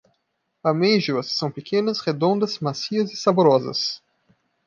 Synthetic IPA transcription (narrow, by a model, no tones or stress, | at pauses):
ameʒuɐsːɐ̃w̃pekʰẽnɐsʁed̪õnd̪ɐzmasiɐzɪsaboɾɔzɐ̰s